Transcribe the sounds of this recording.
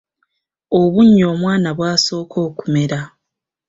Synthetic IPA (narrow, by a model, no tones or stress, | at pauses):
oβuɲːo̞ːmwaːnaβwaːso̞ːkʰo̞ːku̥me̞ɾa